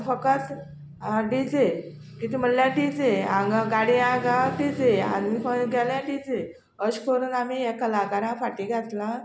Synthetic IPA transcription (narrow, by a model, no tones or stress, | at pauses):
fəkət͡s | ɖid͡ze | kit̪im̤əlljãʈid͡zeãɡaɡaɽiãɡaɖid͡zea̰nifəɡɛljãɖid͡ze | əɕkʰoɾunamiɛkəlaɡaɾãfaʈiɡʱat̪lã